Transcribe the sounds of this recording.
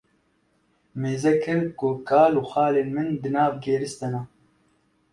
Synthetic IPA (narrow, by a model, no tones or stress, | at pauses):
meːzɛkɨɾkʊkʰaːluːxaːleːnmɨnd̪ɨnaːvɡeːɾɨst̪ɐna